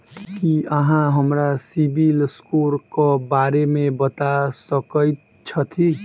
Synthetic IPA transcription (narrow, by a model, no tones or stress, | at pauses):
kkiʌɦãɦʌmɾasibilskoɾkobaɾemebʌt̪asʌkʌj | t͡sʰʌt̪ʰi